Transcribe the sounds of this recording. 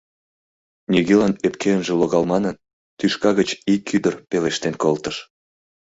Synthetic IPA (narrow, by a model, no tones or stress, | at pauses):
nʲiɣelɑnepkʰeənʒĕloɣɑlmɑnən | t̪yʃkɑɣət͡ɕikʰyd̪ərpeleʃt̪enkolt̪əʃ